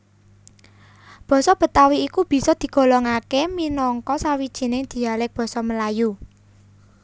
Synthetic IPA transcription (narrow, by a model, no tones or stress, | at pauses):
b̥ɔ̤sɔb̥ə̤t̪awiːkub̥i̤sɔd̪̥i̤ɡ̥ɔ̤lɔŋakeminɔŋkɔsawid̥ʒ̥i̤nɪŋd̪̥i̤alɪk̚b̥ɔ̤sɔməlaju